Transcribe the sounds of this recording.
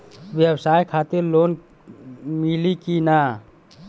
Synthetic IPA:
bjəbsajkʰat̪iɾlon | milikina

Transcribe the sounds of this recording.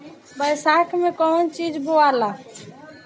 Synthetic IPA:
bəjsakmekɔnt͡ʃid͡ʒboala

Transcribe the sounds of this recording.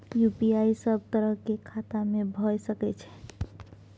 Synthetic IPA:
jupiajsəbʱt̪əɾəɦkekʰat̪amebʱɔjsəkɛt͡ʃʰɛ̥

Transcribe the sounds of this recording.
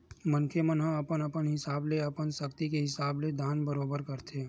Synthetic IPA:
mənkʰemənɦɐ̃ɐpənɐpənɦɪsaːbleɐpənsəkt̪ikeɦɪsaːbled̪ʱaːnbəɾoːbəɾkɐɾt̪ʰe

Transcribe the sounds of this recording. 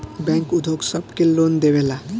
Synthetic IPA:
bɛ̃ŋkud̪ʱoksəbkelond̪eʋela

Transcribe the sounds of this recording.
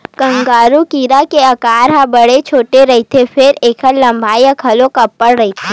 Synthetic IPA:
kɐ̃ŋɡaːɾukiːɾakeɐkaːɾɦãbɐɽet͡ʃʰoːʈeɾɐɦit̪ʰefʰɪɾeːkʰəlɐ̃mbʱaːjakʰɐlõkɐpːəɽɾɐɦit̪ʰeː

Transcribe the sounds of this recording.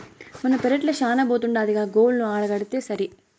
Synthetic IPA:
mɐnːɐpeɾɐʈlɐʃaːnɐboːt̪uɳɖaːd̪iɡaːɡoːlnuaːɽɐɡɐɽit̪e̞ːsɐɾi

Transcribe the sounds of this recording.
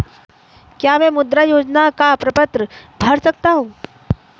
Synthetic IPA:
kjaʋɛ̃mud̪ɾajod͡ʑnakapɾəpət̪ɾəbʱəɾsək̚t̪aɦũ

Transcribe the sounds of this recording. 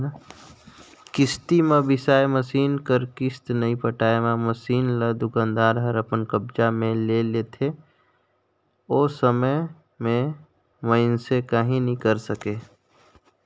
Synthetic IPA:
kɪst̪imẽbɪsaːeməsiːnkəɾkɪst̪nəĩpəʈaːemãməsiːnləd̪ʊkãːnd̪aːɾɦəɾəpənkəb̚d͡ʒamẽlelet̪ʰe | oːsəmə | mẽ | məɪnsekaɦĩnĩkəɾsəkeː

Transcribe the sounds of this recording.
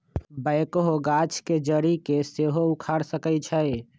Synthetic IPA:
bəɪkɦoɡat͡ʃʰked͡ʒəɾikeseɦoʊkʰaɽsəkət͡ʃʰəe

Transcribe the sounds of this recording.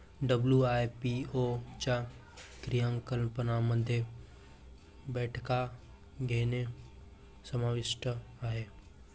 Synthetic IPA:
ɖəbljuaːjpiot͡ʃa | kɾijə̃ŋkəlpənaməd̪ʱje | bɛːʈʰka | ɡeːne | səmaːʋɪʃʈəaːɦeː

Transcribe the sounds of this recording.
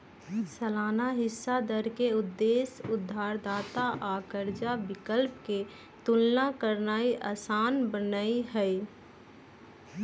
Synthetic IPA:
səlaːnaɦɪsːad̪əɾkeʊd̪ːeːsʊd̪ʱːaːɾd̪aːt̪aʔaːkəɾd͡ʒabɪkəlpke | t̪ʊlnakəɾnaːiʔaːsaːnbənaːiɦɛ

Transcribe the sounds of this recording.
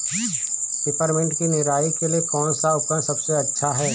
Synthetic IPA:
ɖ̥ɪpaːɾmɛ̃ɳʈkinɪɾaːikeliekɔːnsaʊpɾə̃nd̪sɐbseɐtːʃʰaɦɛː

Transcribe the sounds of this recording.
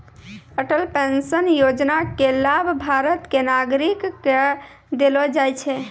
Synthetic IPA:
əʈəlpensənjod͡ʒnakelabʱbʱaɾət̪kenaɡɾikː | d̪elɔd͡ʒajt͡ʃʰɛ

